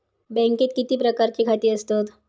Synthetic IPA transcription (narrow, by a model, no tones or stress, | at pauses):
bɛ̃ŋkeːt̪̚kit̪iːpɾəkaɾt͡ɕikʰat̪iːəst̪ot̪